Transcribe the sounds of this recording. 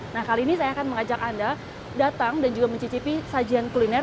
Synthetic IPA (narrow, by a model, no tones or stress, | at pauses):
nahkaliːnisajaːkanməŋad͡ʒakanda | dat̪aŋdand͡ʒuɡaməɲt͡ʃit͡ʃipisad͡ʒiankulinɛr